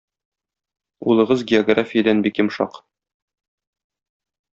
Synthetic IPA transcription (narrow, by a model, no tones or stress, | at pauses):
ṵlˠɤ̆ʁɤzɡʲɪoɡrafʲɪjəd̪ænbikjɘ̆mʃɑ̰q